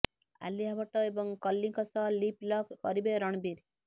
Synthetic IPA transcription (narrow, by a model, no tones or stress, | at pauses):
a̰lːiɦabɔʈɔebɔŋkɔlːiŋkɔsɔliplɔkkɔɾibeɾɔɳ̃biɾ